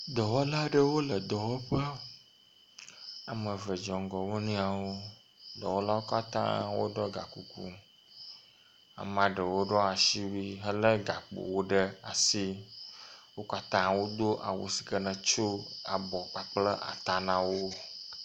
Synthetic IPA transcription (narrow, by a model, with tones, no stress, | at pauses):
d̪ɔ˨wɔ˦la˦ɖə˦wo˦lə˨d̪ɔ˨wɔ˦ɸə˦ | a˨mə˨və˨d͡ʒɔ˨ŋ˨˦ɡɔ˨wo˦nũ˦a˨wo˦ | d̪ɔ˨wɔ˦la˦wo˦ka˦t̪ã̰˦wo̰˦ɖɔ˦ɡa̰˨ku˦kṵ˦ | a̰˨mã˨ɖə˨wo˦ɖɔ˦a˨ʃi˦wi˦ɦə˦lə˦ɡa˨k͡po̰˨wo˦ɖə˦a̰˨si˦ | wo˦ka˦t̪ã˦wo˦d̪o˦ʔa̰˨wo̰˨si̥˨kə˦nə̃˨t͡ʃo˦a˨bɔ˨k͡pa˨k͡plə˦ʔa̰˨t̪a˨nã˨wo˦